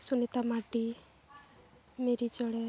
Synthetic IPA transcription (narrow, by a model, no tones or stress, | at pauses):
sunet̪amaʈi | meɾit͡ʃəɽɛ